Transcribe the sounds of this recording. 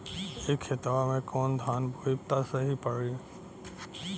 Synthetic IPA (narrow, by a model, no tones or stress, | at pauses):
ekʰːet̪aamẽkɔːnd̪ʱaːnbʱujp̚t̪asəɦipəɾi